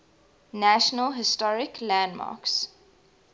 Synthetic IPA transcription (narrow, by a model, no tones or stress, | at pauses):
næʃənəlɦɪstɔɹɪkʰlãndmɑ̰ːks